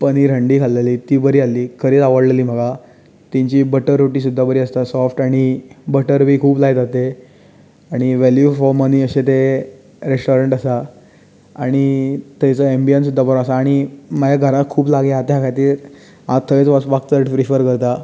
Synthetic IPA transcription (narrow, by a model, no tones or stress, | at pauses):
pəniːɾəɳɖiːkʰalːeliːt̪iːbəɾiːalːiːkʰəɾiːt̪aʋəɽleliːm̤əɡa | t̪ĩɲt͡ɕiːbəʈəɾːoʈiːs̬ud̪ʱːabəɾiːəst̪asɔfʈaɽ̃ibəʈəɾbʱiːkʰuːplad͡zat̪e | aɽ̃iʋeljufɔməniːəɕet̪e | ɾesʈoɾeɳʈasa | aɽ̃it̪əjt͡səembians̬ud̪ʱːabəɾõasaːɽ̃iməd͡ʑaɡʱəɾat̪̚kʰuːplaɡeɦat̪jakʰat̪iːɾ | at̪ʰːəʋet͡sʋaʋak̚t͡səɾʈfɾifəɾkəɾt̪a